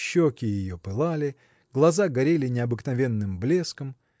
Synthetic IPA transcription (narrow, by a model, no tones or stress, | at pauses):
ɕːokʲɪjɪjo̞pɨlˠalʲɪ | ɡlˠɐzaɡɐɾʲelʲɪnʲɪɐbɨknɐvʲe̞nːɨmblʲe̞skəm